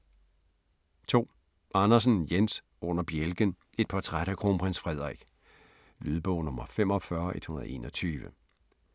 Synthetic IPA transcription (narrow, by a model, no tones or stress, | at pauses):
t͡sʰo̝̰ː | ʔɑ̈nɐs̬n̩jens | ɔ̽n̰ɐb̥jelɡ̥ən | e̝d̥̚pʰɒt͡sʰʁad̥ækʰʁompʰʁin̰sfʁɛð̞̰ˠʁiɡ̥ | lyðˠb̥ɔ̽ʊ̰nɔ̽mɐfem̰ɒ̽fɶɐʔe̝d̥hunɐð̞̩ˠe̝̰ːnɒ̽t͡sʰyːʋə